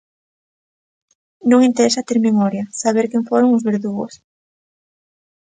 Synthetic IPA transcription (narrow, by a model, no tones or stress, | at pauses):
nõŋint̪eɾesat̪eɾmemɔɾjasaβ̞eɾkeɱfoɾoŋʊzβeɾðuɣo̰s